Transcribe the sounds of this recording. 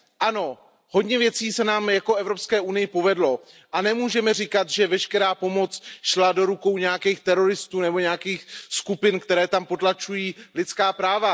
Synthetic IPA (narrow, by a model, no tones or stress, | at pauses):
ʔano̞ | ho̞dɲɛvjɛt͡siːsɛnaːmjako̞ɛvɾo̞pskɛːʔunɪjɪpo̞vɛdlo̞ | ʔanɛmuːʒɛmɛr̝ikat̪ʒɛvɛʃkɛɾaːpo̞mo̞t͡sʃladoɾuko̞wɲɛjakiːxt̪ɛɾo̞ɾɪst̪uːnɛbo̞ɲɛjakiːxskupɪnkt̪ɛɾɛːt̪ampo̞t̪lat͡ʃujiːlɪt̪t͡skaːpɾaːva